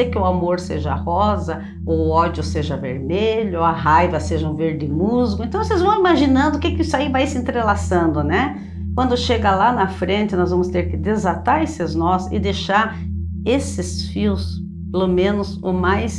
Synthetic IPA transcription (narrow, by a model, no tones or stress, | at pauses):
ekɪʊamoɾseʒɐ̰hɔzɐ | oʊɔd͡ʒʊseʒɐvḛɾmeʎʊɐɦajvɐseʒɐũveɾd̪ɪmuzɡʊẽnt̪ɐ̃w̃osezvɐ̃w̃imaʒinɐ̃nd̪ʊkɪkɪsaivajsɪẽnt̪ɾelasɐ̃nd̪ʊnɛ | k̚wɐ̃nd̪ʊʃeɡɐlanɐfɾẽnt̪ɪnɔzvɐ̃mʊst̪eɾkɪd̪ezat̪aɾesɪznɔsɪ̰d̪eʃaɾ | esɪsfiws | pelomẽnʊzomajs